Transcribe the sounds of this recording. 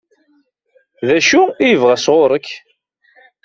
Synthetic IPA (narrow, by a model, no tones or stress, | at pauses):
ðæʃuijəvʁæsʁʊɾˤəkː